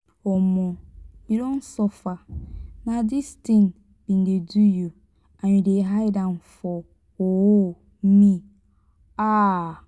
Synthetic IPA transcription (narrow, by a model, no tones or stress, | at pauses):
ɔmɔ̃iɾɔ̃n̩sɔfanãdɪstĩn | b̥ĩndeduju | aɲĩdeɦajdãnfɔ | wɔwɔ | m̩mĩ | a